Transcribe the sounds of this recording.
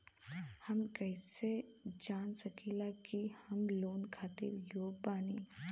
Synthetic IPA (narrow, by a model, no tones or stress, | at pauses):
hɐmkɛɪsed͡ʒaːnsɐkʰilakihɐmloːnkʰaːt̪ḭɾjoːpaːniː